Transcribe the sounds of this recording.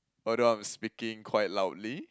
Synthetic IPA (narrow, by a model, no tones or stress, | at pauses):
ʔɔdoãj̃mspikɪ̃ŋkʰwajt̚laʊtli